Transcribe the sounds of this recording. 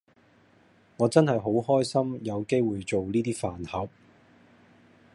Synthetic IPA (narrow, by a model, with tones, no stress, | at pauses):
ŋɔː˨˧t͡sɐ˥nhɐ˨jɦo˨˥wɦɔː˥jsɐ˥mjɐ˨˧wke˥jwuː˨jt͡so˨wniː˥t̪iː˥faː˨nhɐ˨˥p̚